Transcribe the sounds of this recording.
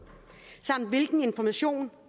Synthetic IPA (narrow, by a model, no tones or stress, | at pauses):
sɑ̈m̰d̥ʋe̝lɡ̥n̩e̝nfɒmæɕo̝̰ːn